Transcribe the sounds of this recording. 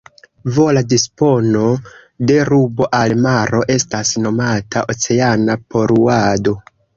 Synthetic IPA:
voladispo̞no̞ | de̞ɾubo̞ʔalmaɾo̞ʔe̞stasno̞matʰaʔot͡se̞anapo̞ɾuado̞

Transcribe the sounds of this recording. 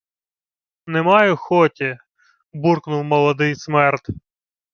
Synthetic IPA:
nɛmɑjʊxɔtʲi | burknʊwmɔlˠɐd̪ɪjsmɛrt̪

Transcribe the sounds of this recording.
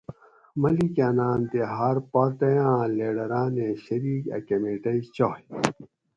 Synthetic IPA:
mɐlikaːnaːmt̪eɦaːɾpaːɾʈ̪ɐjãːleːɖɐɾaːnẽɕɐɾiːkɐ̰kemeʈɐit͡ɕoːj

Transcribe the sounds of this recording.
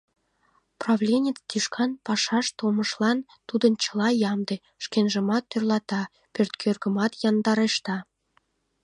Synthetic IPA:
prɑvlʲenʲet͡st̪iʃkʰɑnpɑʃɑʃt̪oməʃlɑn | t̪ud̪ənt͡ɕə̥lɑjɑmd̪e | ʃkenʒə̆mɑt̪ːørlɑt̪ɑ | pørt̪kʰørɡə̆mɑt̪jɑnd̪ɑɾeʃt̪ɑ

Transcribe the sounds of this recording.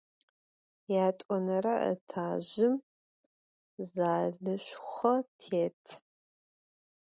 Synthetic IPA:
jaːtʼɔnɐɾɐʔə̰tʰaːʑɪm | zaːɮɨɕʷχɐtʰeːtʰ

